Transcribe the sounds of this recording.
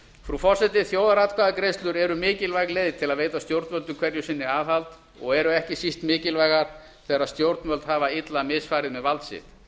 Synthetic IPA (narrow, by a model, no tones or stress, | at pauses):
fɾufɔr̥sɛt̪ɪθjoːwðaɾat̪kʰvaːðakɾejst̪lʏɾɛɾʏmɪːcɪlvajɣlejðt̪ʰɪlaðvejt̪ast̪jowɾt̪mœlt̪ʏmkʰv̥ɛɾjʏsɪnːɪaːðhalt̪ | ɔ̰ɣɛɾʏɛhcɪsist̪mɪːcɪlvajɣaɾ̥ | θʰɛːaɾaðst̪jowɾt̪nmœlt̪haːvaɪt̪lamɪːsfaːɾɪðmɛðvalt̪sɪ̰t̪